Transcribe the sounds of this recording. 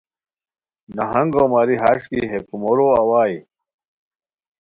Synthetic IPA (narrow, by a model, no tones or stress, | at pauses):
nɐɦɐŋɡoːmaɾiɦaʂkiɦekumoɾoɐwaːj